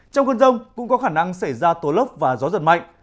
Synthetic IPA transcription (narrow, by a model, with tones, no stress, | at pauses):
t͡ɕɔ˧wŋ͡mkə˧nzə˧wŋ͡mkʊ̰˧˥ŋ͡mkɔ˨˦xaː˧˩na˧ŋsa˧˩jzaː˧t̪o˨˦lə˦˥p̚vaː˨˩zɔ˨˦zə̰˧˨nma̰˧˨jŋ̟